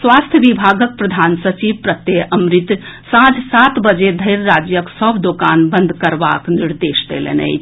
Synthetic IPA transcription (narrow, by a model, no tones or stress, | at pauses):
swast̪ʰjəbibʱaɡək̚pɾəd̪ʱansət͡ʃibpɾət̪jeəmɾit̪sãd͡ʒsat̪bəd͡ʒed̪ʱəɪɾɾad͡ʒjəksəbʱd̪okanbə̃nd̪ʱkəɾba̰kniɾd̪esd̪elḛnə̰ɪt͡ʃʰ